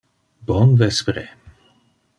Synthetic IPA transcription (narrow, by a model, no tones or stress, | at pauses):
bɔnvɛspɾe